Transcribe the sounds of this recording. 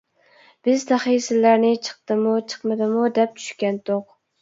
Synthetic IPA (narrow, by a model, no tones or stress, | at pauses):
b̥ɪzd̪aχijsɪlːaɾnɪt͡ʃʰɨ̥q̚t̪ɨmʊt͡ʃʰɨ̥qmɪd̪ɪmʊd̪ɛp̚t͡ʃ̪ʰʊ̥ʃkʲant̪oq